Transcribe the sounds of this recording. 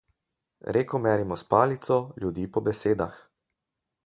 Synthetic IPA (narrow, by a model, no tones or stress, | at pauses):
ɾeːkɔmɛɾimɔspaːlit̪sɔljud̪iːpɔbɛseːd̪a̰x